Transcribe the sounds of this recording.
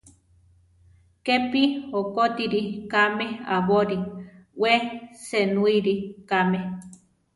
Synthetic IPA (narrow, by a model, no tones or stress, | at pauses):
kepihokot̪iɾikameaβoɾiwesenuiɾikame